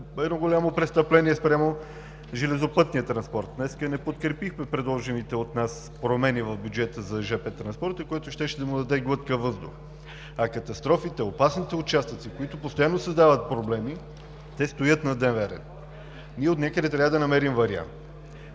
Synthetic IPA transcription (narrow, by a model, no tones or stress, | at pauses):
ɛd̪nɔɡolʲamopɾɛst̪ɐplɛniɛspɾʲjamo | ʒɛlɛzopɤt̪nijət̪ɾɐnspɔɾt̪̚d̪nɛskənɛpot̪kɾɛpixmɛpɾɛd̪lˠɔʒɛnit̪ɛot̪nas | pɾomɛnivɐvbʲjud͡ʒɛt̪əzɐʒɛpɛt̪ːɾɐnspɔɾt̪əkojɛt̪ʊʃt̪ɛʃɛd̪ɐmud̪ɐd̪ɛɡlˠɤt̪kəvɤzd̪ʊ̰x | ɐkɐt̪ɐst̪ɾɔfit̪ɛopasnit̪ɛʊt͡ʃast̪ət̪sikoit̪ʊpost̪ojanːosɐzd̪avət̪̚pɾoblɛmi | t̪ɛst̪ojɤt̪nɐd̪ɛnvɛɾɛ̰n | niɛot̪nʲakəd̪ɛt̪ɾʲavəd̪ɐnɐmɛɾimvɐɾia̰nt̪